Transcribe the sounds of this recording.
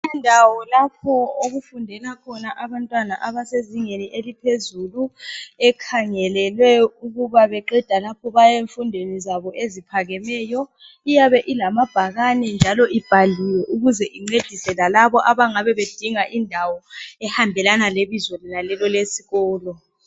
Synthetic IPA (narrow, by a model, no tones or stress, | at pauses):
ɛndʱawɔlapʰɔoɣufundʱɛlakʰɔnaʔaβantʼwanaʔaβaseziŋeniʔelipʰezuluɛkʰaŋɛlɛlwɛuɣuβaβɛǃɛd̥ʱalapʰɔβajeɱfundʱenizaβɔʔezipʰaɣɛmɛːjɔ | ijaβɛʔilamab̥ʱaɣanɛnd͡ʒʱalɔʔib̥ʱaliwɛʔuɣuzɛʔiŋ͡ǀed̥ʱisɛlalaβɔʔaβaŋaβɛβed̥ʱiŋaʔindʱawɔɛhambʱɛlanaleβizwɛlinalɛlɔlesiɣɔːlɔ